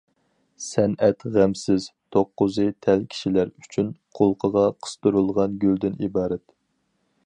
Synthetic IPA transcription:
sɛnɛt̪ʁæmsɪz̥t̪ʰoqːʊzɨt̪ʰɛlkʲʰi̥ʃilæɾyt͡ʃʰynqʰolˠqʰəʁɑqʰə̥st̪uɾulˠʁɑnɡʲøld̪ɪnibɑːɾɛt̪

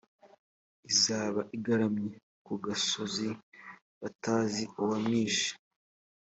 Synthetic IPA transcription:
izaːβaʔiɡaɾamɲe | kuɡaso̞zi | βataːziuwamɲiːʃḁ

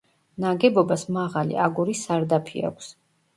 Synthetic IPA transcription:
naɡɛbɔbasmaʁalḭʔaɡuɾisaɾd̪apʰḭa̰kʷʰs

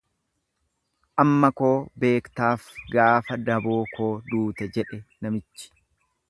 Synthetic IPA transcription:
ʔɐmːɐko̞ːbe̞ːkt̪aːfɡaːfɐd̪ɐboːkʰo̞ːd̪uːt̪ɛd͡ʒɛᶑɛnɐmɪt͡ʃːɪ̥

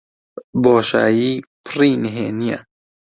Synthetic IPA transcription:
bɔːʃa̰ːjipʰɾiːnɦenija̰

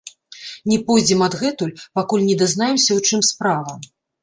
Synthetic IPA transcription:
nʲɛpɔjd͡zʲɛmɐd̪ɣɛt̪ulʲpakulʲnʲɛd̪ɐznajɛmsʲɐwt͡ʂɨmspɾavɐ

